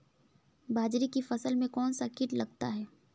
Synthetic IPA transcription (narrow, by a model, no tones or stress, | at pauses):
bʱaːd͡ʒɾikifɐsəlmẽkɔːnsakɪʈlɐɡt̪aɦɛː